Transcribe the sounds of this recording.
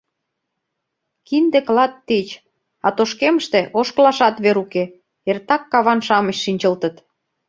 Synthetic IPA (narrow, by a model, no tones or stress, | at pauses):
kind̪eklɑt̪ːet͡ɕ | ɑt̪oʃkeməʃt̪eʔoʃklɑʃɑt̪βeɾuke | ert̪ɑkːɑβɑnʃɑməɕʃinʲt͡ɕə̆lt̪ə̆t̪